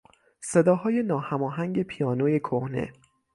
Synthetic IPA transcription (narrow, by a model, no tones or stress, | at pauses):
se̞d̪ɒːɦɒːje̞nɒːhæmɒːɦæŋɟe̞pʰijɒːnoːje̞kʰohnḛ